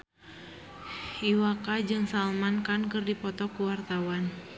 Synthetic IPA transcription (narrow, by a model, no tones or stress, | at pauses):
iwakad͡ʒɨŋsalmankankɨrdipɔt̪ɔkuwart̪awan